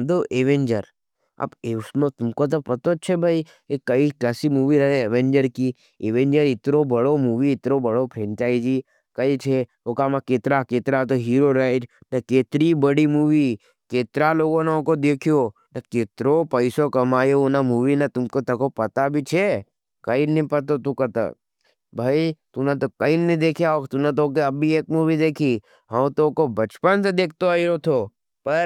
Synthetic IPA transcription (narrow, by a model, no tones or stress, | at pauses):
d̪oʔeʋẽnd͡ʒəɾ | a̰pesmt̪ʊmkot̪̬opɐt̪ot͡ʃʰebʱai | ekəiklaːsimuːʋiɾɐɦeeʋẽnd͡ʒəɾki | eʋẽnd͡ʒəɾɪt̪ɾobəɽomuːʋiɪt̪ɾobəɽopʰɾẽnt͡ʃaːid͡ʒiː | kəit͡ʃʰe | okamakeːt̪ɾakeːt̪ɾat̪̬oɦiːɾoɾaɪʈnekeːt̪ɾibəɽimuːʋi | keːt̪ɾaloːɡõneokod̪eːkʰijonɐkeːt̪ɾopɐɪsokɐmaːjonamuːʋinɐt̪ʊmkot̪ɐkopɐt̪abʱit͡ʃʰe | kɐinɐɦĩpɐt̪ot̪ũkɐt̪a̰ | bʱaːit̪ʊnet̪okɐinĩd̪eːkʰijaot̪ʊnet̪̬ok̬eɐbʱieːk̚muːʋid̪eːkʰi | ɦɐt̪okobɐt͡ʃpənsed̪eːk̚ʰt̪oəiɾot̪ʰo | pɐɾ